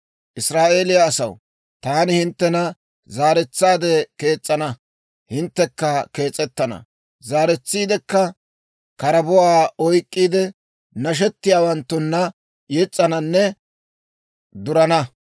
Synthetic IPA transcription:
ʔɪsɾaːʔeːlɪjaːsɐw | t̪aːnɪhɪnt̪ːɛnɐ | zaːɾɛt͡sːaːd̪ɛke̞ːt͡sʼːɐnɐ | hɪnt̪ːɛkːɐke̞ːt͡sʼːɛt̪ːɐnɐ̰ | zaːɾɛt͡sːiːd̪ɛkːɐ | kɐɾɐbɔwaːɔjkʼːiːd̪ɛ | nɐʃ̬ɛt̪ːɪjaːwɐnt̪ːʊnːɐ | jɛt͡sʼːɐnɐnːɛ | d̪ʊɾɐnɐ

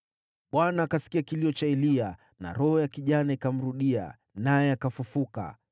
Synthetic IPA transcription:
ɓwanaːkasi̥kiakiliɔt͡ʃaɛlia | na̰ɾɔhɔjakiʄanaikam̩ɾuɗia̰ | najɛakafufuka̰

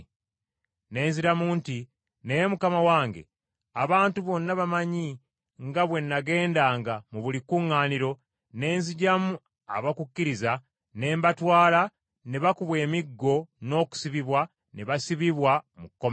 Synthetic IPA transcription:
ne̞ːnziɾamuːnti | nejemukamawaːŋɡe̞̰ | aβaːntuβo̞nːaβamaɲi | ŋɡaβwe̞nːaɡe̞ːndaːŋɡamuβulikuŋːaːniɾo̞ | ne̞ːnziɟamu | a̰βakukːiɾiza | ne̞ːmbatwaːla | neβakuβwe̞ːmiɡːo̞no̞ːku̥siβiβwa | neβasiβiβwamukːom

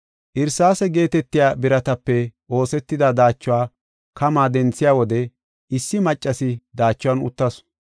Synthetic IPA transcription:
ʔɪɾsaːsɛɡe̞ːt̪ɛt̪ːɪjaːbɪɾɐt̪ɐpːɛʔo̞ːsɛt̪ːɪd̪ad̪aːt͡ʃːʊwaː | kɐmaːd̪ɛnt͡sːɪjaːwɔd̪ɛ | ʔɪsːɪmɐt͡ʃʼːɐsɪd̪aːt͡ʃːʊwanʊ̰t̪ːɐs

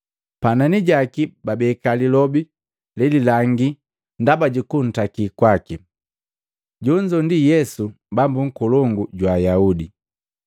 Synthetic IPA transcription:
pananiɟakibabɛkalilɔbi | lɛlilaŋɡi | ndabaɟukun̩takikwaki | ɟɔɲd͡ʒɔndijɛsu | bambuŋ̩kɔlɔŋɡuɟwaːjaudi

